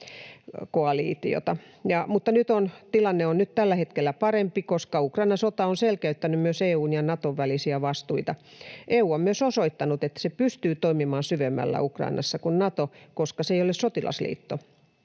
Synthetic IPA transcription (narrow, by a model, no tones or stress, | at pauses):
koɑlḭːt̪ḭo̰t̪ɑ | jɑmut̪ːɑnyt̪ont̪ilɑnːeonnyt̪t̪ælːæhet̪kelːæpɑɾempikoskɑukrɑinɑsot̪ɑonselkæyt̪ːænymmyøseːuːnjɑnɑt̪oʋʋælisiæʋɑst̪uit̪ɑʔeːuːommyøsosoit̪ːɑnut̪et̪ːæ̥sepyst̪yːt̪oimimɑːnsyʋemːæ̰lːæ̰ukrɑ̰inɑ̰sːɑkunnɑt̪okoskɑseijolessot̪ilɑ̰slḭːt̪ːo